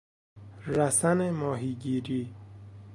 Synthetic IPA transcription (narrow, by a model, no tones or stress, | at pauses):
ɾæsænemɒːɦiːɡiːɾiː